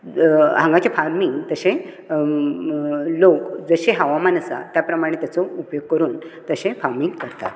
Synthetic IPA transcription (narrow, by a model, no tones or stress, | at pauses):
ɦãŋɡat͡ɕefaɾmiŋɡt̪əɕẽ | lokd͡zəɕeɦəʋamanəsa̰t̪japɾəmaɽ̃et̪jat͡sɔupjoɡ̚kəɾuːnt̪əɕẽfaɾmiŋɡkəɾt̪a̰t̪